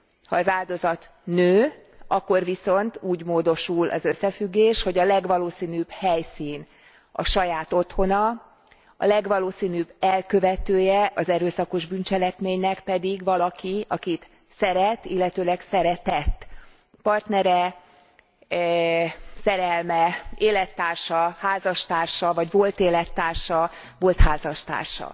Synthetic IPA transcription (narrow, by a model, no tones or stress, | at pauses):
hɒːzaːld̪o̞zɒt̪ | nøː | ɒkːo̞rviso̞nt̪uːɟmoːd̪o̞ʃulʔɒ̰zø̞sːɛfyɡːeːʃho̞ɟɒlɛɡʋɒloːsiːnyb̥hɛjsiːn | ɒ̰ʃɒjaːt̪o̞t̪ho̞nɒ | ɒ̰lɛɡʋɒloːsiːnybɛlkøvɛt̪øːjɛʔɒzɛɾøːsɒko̞ʒbynt͡ʃɛlɛkmeːɲnɛkpɛd̪iɡʋɒlɒkiɒkit̪ | sɛɾɛt̪ːḭlːɛt̪øːlɛksɛɾɛt̪ɛt̪ː | pɒrt̪nɛɾɛ | sɛɾɛlmɛeːlɛt̪ːaːrʃɒhaːzɒʃt̪aːrʃɒvɒɟvo̞lt̪eːlɛt̪ːaːrʃɒ | vo̞lt̪haːzɒʃt̪a̰ːrʃɒ̰